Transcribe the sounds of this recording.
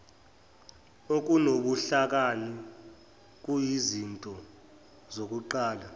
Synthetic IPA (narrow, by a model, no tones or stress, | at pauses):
ok̬ʼunoɓuɬak̬ali | k̬ʼujizintʼɔ | zok̬ʼuǃaːla